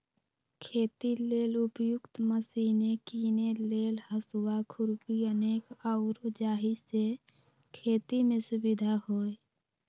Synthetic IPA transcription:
kʰeːt̪ileːlʊpjʊkt̪məsinekiːneleːlhəswakʰʊɾpiəneːkaʊɾd͡ʒaːɦise | kʰeːt̪imẽsʊbɪd̪ʱaɦoːe

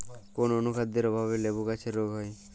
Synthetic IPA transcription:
kononukʰad̪ːeɾɔbʱaβelebokat͡ɕʰeɾoɡʱɦɔe

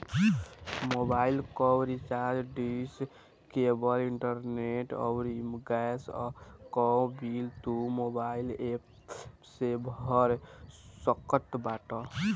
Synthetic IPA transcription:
mobailkɔwɾit͡ʃad͡ʒɖis | kebəliɳʈəɾneʈɔ̰wɾimɡɛskɔbilt̪umobailep | sebʱəɾsəkət̪baʈɔ

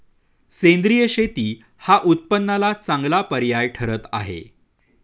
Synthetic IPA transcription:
sẽnd̪ɾijəɕet̪iː | haʔut̪̚pənːalat͡sãŋɡlapəɾjajʈʰəɾət̪a̰ɦḛ

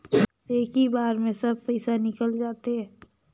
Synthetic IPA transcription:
eːkɦibaːɾmẽsɐb̚pɛɪsanɪkəld͡ʒaːt̪eɦɛ̃ː

